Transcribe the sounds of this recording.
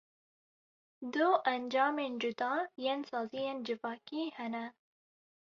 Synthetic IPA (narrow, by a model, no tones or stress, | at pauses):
d̪ʊʔænd͡ʒɑːmeːnd͡ʒʊd̪ɑːjeːnsɑːzijeːnd͡ʒɪvɑːkiːhɛnɛ